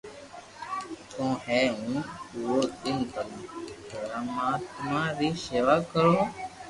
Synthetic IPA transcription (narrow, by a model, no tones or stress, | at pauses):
t̪õːhɛːɦũːuoːd̪ɪnt̪əlũːoɾaːmãːt̪mãːɾiːseːʋaːkəɾoː